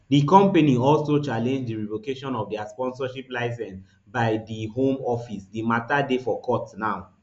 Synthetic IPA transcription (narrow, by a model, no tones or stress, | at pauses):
dikɔ̃mpeniɔlsot͡ʃalɛ̃nd͡ʒdiɹivokeʃɔ̃nɔvdiaspɔ̃nsɔʃiplaɪs̬ɛ̃ns | baɪdihõmɔfisdimatadefɔkʰɔtnaʊ